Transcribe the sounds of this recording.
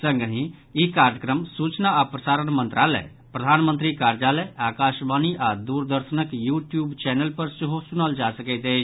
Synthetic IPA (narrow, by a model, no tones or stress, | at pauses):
sə̃ŋɡəɦĩ | jikaːɾjəkɾəmsuːt͡ʃnaapɾəsaːɾənmə̃nt̪ɾʔaːlɛ̰ | pɾəd̪ʱaːnmə̃nt̪̬ɾikaːɾd͡ʒalɛʔaːkaːʃbaːniʔaːd̪uːɾd̪əɾʃənəkjuːʈjuːbt͡ʃɛnəlpəɾsəɦosʊnəld͡ʒaːsəkət̪eː